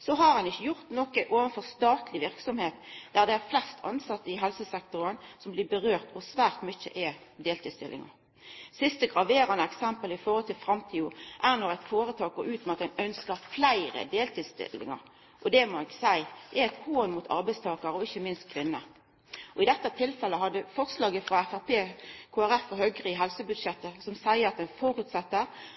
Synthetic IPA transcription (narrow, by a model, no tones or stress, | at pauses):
sɔɦɑʁhɑnɪçːəjʊʁt̪nɔkəʔoːʋənfɔʁst̪ɑːt̪ʰlɪʋɪʁksɔmheːt̪d̪̥æʁd̪ɛæʁflɛst̪ʰɑ̰nsɑt̪ːəɪɦɛlsəsɛk̚t̪ʊʁənsɔmblɪbəʁøːʁt̪ɔsʋæːʁt̪mʏçə̰ʔɛd̪eːlt̪ʰid̪st̪ɪlʔɪ̰ŋɑ̰ɾ | sɪst̪əɡʁɑʋeːɾɑnəɛksɛmpəlɪfoːhɔlt̪ɪlfɾɑmt̪ʰiːʊʔæʁnɔʁæɪt̪foːɾət̪ʰɑːkɔɾʉːt̪mɑt̪ɛnœnskəɾflæɪɾə̰d̪eːlt̪ʰiːd̪st̪ɪ̰lɪ̰ŋɑ̰ɾ | ʔɔd̪ɛmɔɛɡsæɪ̥ɛæɪt̪honmuːt̪ʰɑ̰ɾbæɪst̪ʰɑːkɑɾəɔɪçəmɪnst̪̚kʰʋɪnːə | ʔɔɪd̪ɛt̪ːət̪ʰɪlfɛlːəɦɑd̪ːəfɔʁslɑːɡəfʁɑæfæʁpeːkʰoːæɾæfːɔɦœɡʁiːɦɛlsəbʉd̪ʂɛt̪ːəsɔmsæɪəɾɑt̪d̪ɛnfɔɾʉːt̪sɛt̪ːə